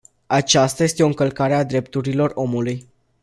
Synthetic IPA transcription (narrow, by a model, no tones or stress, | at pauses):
at͡ʃast̪aje̞st̪eo̞ɨŋkəlkaɾead̪ɾe̞p̚t̪uɾilo̞ro̞muluj